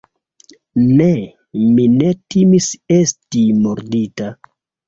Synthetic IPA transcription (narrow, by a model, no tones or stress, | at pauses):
ne | mine̞timise̞stimoɾdita